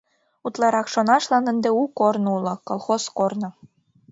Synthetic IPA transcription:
ut̪lˠɑɾɑkʃonɑʃlˠɑnə̆nd̪ĕukornulˠɤ̆kolˠxoskornɤ̆

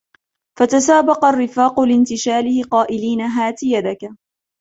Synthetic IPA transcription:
fat̪asaːbɑqɑrːɪfaːqʊlɪnt̪ɪʃaːlɪhɪqɑːʔɪliːnaɦaːt̪ɪjad̪aka

